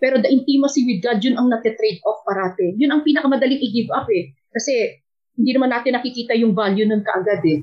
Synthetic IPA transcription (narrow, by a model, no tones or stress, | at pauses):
pɛːɾo̞d̪ɐʔɪnt̪imɐsiwɪd̪̚ɡad̪̚jʊnɐŋnɐt̪ɛt̪ɾɛjd̪̚ʔofpɐɾaːt̪ɛjʊnɐŋpiːnɐkɐmɐd̪ɐliŋʔɪɡɪbapɛ | kɐsɛ | hɪnd̪iːnɐmanːaːt̪ɪnɐkɪkiːt̪ɐjʊŋvaljʊnʊnkɐʔɐɡad̪ɛ